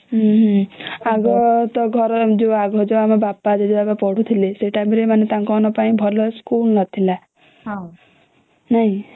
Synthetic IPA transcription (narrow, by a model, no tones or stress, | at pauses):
ɦ | aɡɔt̪ɔɡʱɔɾd͡ʒoaɡɔd͡ʒoamabapːad͡ʒed͡ʒobabapɔɽ̤ʱut̪ʰileseʈamiɾemanet̪ãŋkɔnɔpaĩbʱɔlɔskulnɔt̪ʰila | naɦĩ